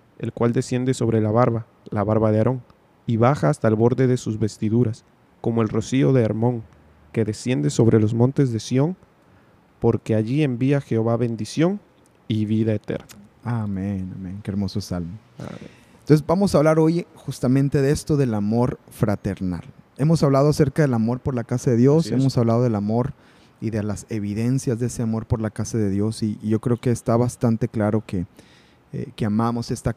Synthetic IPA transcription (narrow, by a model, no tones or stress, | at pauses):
e̞̰lkwald̪esjend̪e̞so̞βɾe̞laβaɾβa | laβaɾβaðeaɾo̞ŋ | iβaxaːst̪aelβo̞ɾðe̞ðe̞suzβe̞st̪iðuɾas | ko̞mo̞e̞lro̞sio̞ðe̞ːɾmõ̞ŋ | ke̞ðe̞sjend̪e̞so̞βɾe̞lo̞zmõ̞nt̪e̞zðe̞sjo̞ŋ | po̞ɾke̞aʝie̞mbiaxe̞oβaβe̞nd̪isjo̞n | iβiðae̞t̪e̞̰ɾna | amena̰mẽnkeeɾmo̞sosalmo̰ | nt̪onsezbamo̞saβlaɾo̞jxust̪amẽnt̪e̞ðe̞st̪o̞ðe̞lamo̞ɾfɾat̪eɾna̰le̞mo̞saβlað̞oase̞ɾkað̞e̞lamo̞ɾpo̞ɾlakasaðe̞ðjo̞se̞mo̞saβlað̞o̞ð̞elamo̞ɾ | iðe̞lase̞βiðe̞nsjazðee̞se̞amo̞ɾpo̞ɾlakasaðe̞ðjo̞siʝo̞kɾe̞okeːst̪aβast̪ant̪e̞klaɾo̞ke | ḛkeamamo̞se̞st̪a